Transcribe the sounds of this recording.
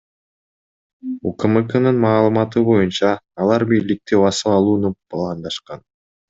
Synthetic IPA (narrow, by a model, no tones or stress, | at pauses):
ukəmɨkənɯnmɑːlˠɯmɑt̪ɯbo̞junt͡ʃɑːlˠɑɾbiːlik̚t̪iβɑsɯlˠɑlˠuːnupʰlˠɑnd̪ɑʃqɑn